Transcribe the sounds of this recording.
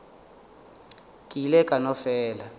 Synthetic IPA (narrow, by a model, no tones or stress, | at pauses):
kʼilɛkʼanɔfɛːla